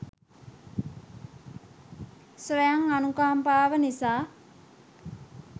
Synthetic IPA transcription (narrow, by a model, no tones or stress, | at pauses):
sɾejaŋanukaːmpaːʋənisaː